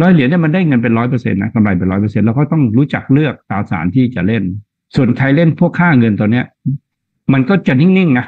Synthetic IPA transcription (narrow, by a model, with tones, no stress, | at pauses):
lɔː˦˥jli˩˦ni˥˩ɐma˧ndaː˥˩jŋɤ˧np̬e˧nɾɔː˦˥jp̬ɤː˧sḛ˧nːa˦˥ka˧mla˧jpe˨nɾɔ˦˥jpɤː˧se˧nlɛː˧wkʰa˥˩t̪ɔ˥˩ŋɾuː˦˥t͡ɕa˨˩k̚lɯ˥˩ək̚t̪aː˧sa̰ː˩˦nt̪ʰiː˥˩t͡ɕa̰˨˩le˥˩n | su˨˩ənk̪ʰa˧jle˥˩npʰu˥˩əkʰːaː˥˩ŋɤ˧nt̪ɔː˧nːi˦˥ɐ | ma˧nkɔː˥˩t͡ɕa˨˩ni˥˩ŋni˥˩ŋna˦˥